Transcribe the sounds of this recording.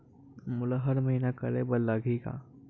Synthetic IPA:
mʊlaɦɐɾmɐɦiːnakəɾḛbəlːaɡʱika̰ː

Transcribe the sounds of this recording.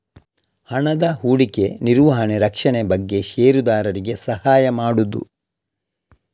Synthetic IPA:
hɐɳɐd̪ɐɦuːɽike̞niɾʋɐɦɐɳeɾɐkʂɐɳebɐɡːe̞ʃeːɾud̪aːɾɐɾiɡe̞sɐhaːjɐmaːɽud̪ṵ

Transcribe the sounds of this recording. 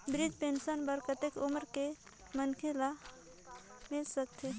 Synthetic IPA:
bɾid͡ʒpensənbəɾkət̪ekuməɾke | mənkʰela | milsək̚t̪ʰe

